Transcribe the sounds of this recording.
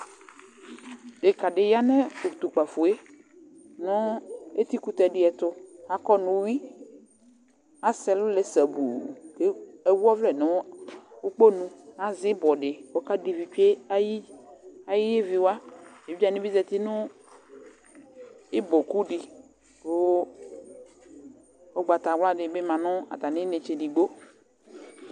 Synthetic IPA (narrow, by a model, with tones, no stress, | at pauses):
ɖe˨ka˨ɖɪ˨ja˦nɛ̃˦o˨t̪u˨k͡pa˨fo˨e˦ | nɔ̃˦e˦t̪i˦ku˦t̪ɛ˨ɖɪ˦ɛ˨t̪ʊ˦ha˦kɔ˦nũ˨˦wi˦ | a˦sɛ˨lʊ˦le˨sɛ˨bṵ˨de˦e˨wu˦ɔ˦vlɛ˨nɔ̃˨˦o˦k͡po˦nũ˦a˦zɪ˦bɔ˨ɖɪ˨wo˦ka˦di˨vi˨t͡ʃe˦a˦ji˦a˨ji˦je˦vi˨wa˦e˨vi˦a˦˨nĩ˦bi˦zɛ˨t̪i˦nʊ̃˦ | e˦bɔ˨ku˦ɖi˨ | o˦ | o˦ɡ͡ba˨t̪a˨wla˦ɖɪ˨be˦mã˨nʊ̃˦a̰˨t̪a˨nɪ̃˦ne˨t͡ʃe˨di˨ɡ͡bo˦